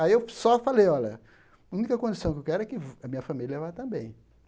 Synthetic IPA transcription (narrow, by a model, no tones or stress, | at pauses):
aiewsɔfalejɔlɐ̰ | ũnikɐkõd͡ʒisɐ̃w̃kewkɛɾʊɛkɪvɐmĩɲɐfamiljɐɛvajt̪ɐ̃bẽj̃